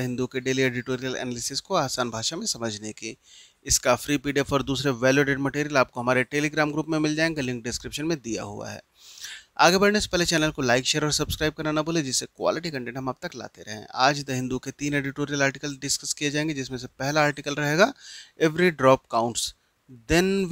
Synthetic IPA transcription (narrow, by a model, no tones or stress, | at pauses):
ɦɪ̃nd̪ukeɖeːlieːɖɪʈoːɾijəlɛ̰ːnəlɪsɪskoaːsaːnbʱaːʃamẽsɐməd͡ʒʱneke | ɪskafɾiːpiːɖefɔːɾd̪uːsɾeʋɛːljuoɖeːɖmɐʈeːɾijəlaːp̚koɦɐmaːɾeʈeːliɡɾaːmɡɾuːpmẽmɪld͡ʒaːẽːŋɡelɪ̃ŋk̚ɖɪskɾɪpʃənmẽd̪ija̰ɦṵa̰ɦɛ̰ː | a̰ːɡebɐɽnese̥pɛɦlet͡ʃɛːnəlkolaːɪkʃeːɾɔːɾsɐbskɾaːɪb̚kɐɾnanɐboːled͡ʒɪsːekwa̰ːlɪʈikɐ̃ɳʈẽːɳʈɦɐmab̚t̪ɐkla̰ːt̪eɾɐɦḛ̃aːd͡ʒd̪ɐɦɪ̃nd̪uket̪iːneːɖɪʈoːɾijəlaːɾʈɪkəlɖɪskəskied͡ʒaːẽːŋɡed͡ʒɪsmẽs̬epɛɦlaːɾʈikəlɾɐɦeːɡaɛʋɾiɖɾɔːp̚kaːʊ̃ɳʈs | d̪ɪn